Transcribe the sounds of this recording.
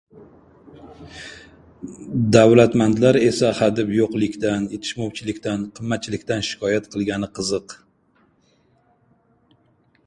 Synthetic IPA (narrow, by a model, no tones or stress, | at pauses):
d̪awlat̪mand̪laɾe̞sahad̪ɪpjoqlˠɪkʲt̪anje̞t̪ʰɪ̥ʃmɒwt͡ʃʰɪlɪkʲt̪anqʰɨmːat̪̚t͡ʃʰɪlɪkʲt̪anʃɪ̥kʰɒjat̪qʰɨlˠɡʲanɪqʰɨzɨq